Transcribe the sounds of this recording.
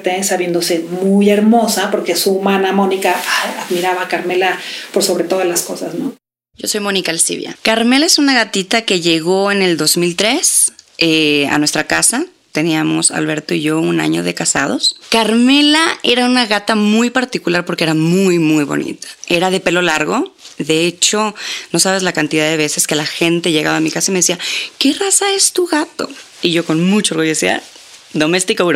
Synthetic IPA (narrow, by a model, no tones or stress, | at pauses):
t̪esaβje̞nd̪osemuje̞ɾmo̞sapo̞ɾkesuːmãnamo̞nikaaaðmiɾaβakaɾme̞lapoɾso̞βɾe̞t̪o̞ðlasko̞sasno | ɟ͡ʝo̞so̞jmo̞nikalsḭβja̰kaɾme̞lae̞sunaɣat̪it̪ake̞ʝe̞ɣo̞e̞ne̞ld̪o̞zmilt̪ɾe̞sea̰nwest̪ɾakasa | t̪e̞niamo̞̰sa̰lβe̞ɾt̪o̞iʝo̞una̰ɲo̞̰ðe̞̰kasað̞o̞skaɾme̞lae̞ɾaunaɣat̪amujpaɾt̪ikulaɾpo̞ɾkeeɾamujmujβo̰nḭt̪ḁe̞ɾað̞e̞pe̞lo̞laɾɣo̞ðe̞e̞t͡ʃo̞no̞saβ̞e̞zlakant̪iðaðe̞β̞e̞se̞ske̞laxe̞nt̪e̞ʝeɣaβaːmikasaime̞ðesiake̞rasae̞st̪uɣat̪o̞̰ | iʝo̞ko̞nmut͡ʃaoɣuʝosiða̰ | d̪o̞me̞st̪ikouɾo